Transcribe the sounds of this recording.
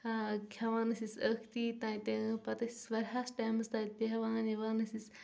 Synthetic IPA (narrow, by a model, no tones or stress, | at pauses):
kʲʰɐʋaːnɐsisəkʰt̪iːt̪ãːit̪ʲẽpɐt̪ɐsi̥sʋɐɾʲɦaːsʈaːmɐst̪aːt̪̚pʲeɦɐʋãːniʋaːnɐsis